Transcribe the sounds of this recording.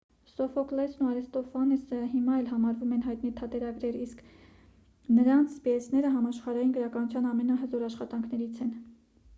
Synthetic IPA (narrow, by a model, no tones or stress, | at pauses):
sɔfɔklɛsnuɑɾɛst̪ɔfɑnisəɦimɑɛlɦɑmɑɾvumɛnɦɑjt̪nit̪ʰɑt̪ɛɾɑɡɾɛɾiskʰ | nəɾɑnt͡sʰbiɛsʰnɛɾəɦɑmɑʃχɑɾɑjinɡəɾɑkɑnut͡sʰjɑnɑmɛnɑɦəzɔɾɑʃχɑt̪ɑŋkʰnɛɾit͡sʰɛn